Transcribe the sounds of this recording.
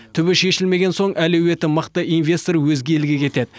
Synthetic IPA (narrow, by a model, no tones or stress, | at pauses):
t̪ʰʏbɪʃe̞ʃɪlme̞ɡʲe̞nso̞ɴʔælewe̞t̪ɪməqt̪əʔinvʲe̞st̪oɾwɵzɡʲelɡʲe̞kʲʰe̞t̪e̞d̪ɪ